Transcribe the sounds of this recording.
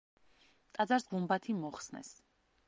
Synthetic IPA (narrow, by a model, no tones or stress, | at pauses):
t̪ʼad̪zaɾsʁumbat̪ʰimɔχsnɛ̰s